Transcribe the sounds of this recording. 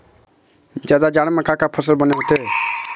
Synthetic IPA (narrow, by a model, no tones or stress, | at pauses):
d͡ʒad̪ad͡ʒaɽ̃mẽkakapʰəsəlbəneɦot̪e